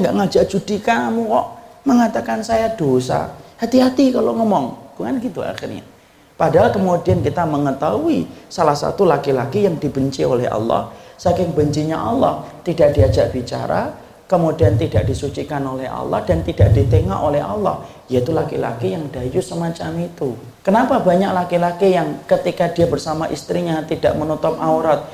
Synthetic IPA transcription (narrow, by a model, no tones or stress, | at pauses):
ŋɡaʔŋad͡ʒaʔd͡ʒudikanamuŋkɔʔməŋat̪akansajad̥osa̰hat̪iɦat̪ikaloŋɔmɔŋb̥uŋanɡit̪ua̰xḭrɲa̰ | padaɦalkəmodiankit̪aməŋət̪auisalahsa̰t̪ulakilakijaŋdibəɲt͡ʃiolɛhɑ̰lːɔ̰hsakɪŋbəɲt͡ʃiɲaʔalːɔht̪idaʔ̚d̥iad͡ʒaʔb̥it͡ʃa̰ɾa̰ | komodiant̪idaʔd̥isut͡ʃikanolɛhɑ̰lːɔ̰hd̥ant̪idaʔ̚dit̪eŋa̰ʔolɛɦa̰lːɔ̰h | jait̪ulakila̰kijaŋdajusəmat͡ʃamit̪u | kənapabaɲaklakilakijaŋkət̪ikadiabərsamaʔist̪ɾiɲat̪idaʔmənot̪ɔmʔauɾɔt̪̚